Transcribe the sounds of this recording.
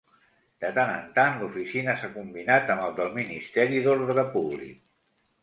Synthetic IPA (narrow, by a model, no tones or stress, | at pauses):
d̪̥ət̪anə̰nt̪anlufisinəsakumbinat̪əməlˠd̪əlˠminist̪ɛɾiðoɾðɾəpuβlḭk̚